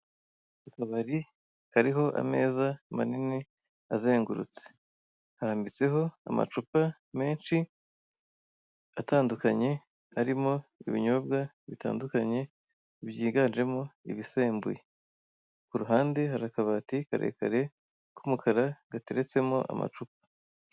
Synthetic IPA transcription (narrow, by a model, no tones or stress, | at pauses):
akaβaɾi | haɾiɦo̞ʔa̰me̞ːzamanini | aze̞ːŋɡuɾṵt͡se̥ | haɾaːmbit͡se̞ɦo̞a̰ma̰t͡ʃupa | me̞ːnʃi | ataːndukaɲe̞ | aɾimo̞iβiɲo̞bɡa | βita̰ːndukaɲe̞ | βjiːɡaːnd͡ʒe̞mo̞ḭβise̞ːmbuje | kuɾuɦaːnde̞haɾakaβatika̰ɾʔḛkaɾe̞ | kumukʰaɾaɡateɾe̞t͡se̞mo̞ʔa̰ma̰t͡ʃup̚ḁ